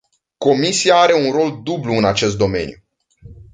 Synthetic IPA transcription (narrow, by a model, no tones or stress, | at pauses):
ko̞misiaaɾe̞unro̞ld̪ubluɨnat͡ʃe̞s̬t̪̚d̪o̞me̞̰nju